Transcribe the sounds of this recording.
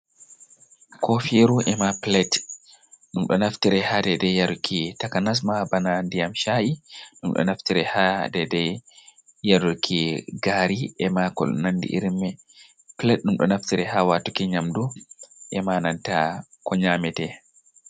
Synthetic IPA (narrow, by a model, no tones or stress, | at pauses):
kʰɔfiɾuʔɛmaplɛt | ɗumɗɔ̰naftiɾɛhadɛdɛjaɾukʰitakanas̬mabanandijamʃaʔiɗumɗɔ̰naftiɾɛhadɛdɛ | jaɾuɾkʰiɡaːɾiʔɛmakɔ̰l̰nandḭʔḭɾmɛ | plɛt̚ɗumɗɔ̰naftiɾɛhawatukɛɲamduʔɛmanantakɔɲamɛtɛ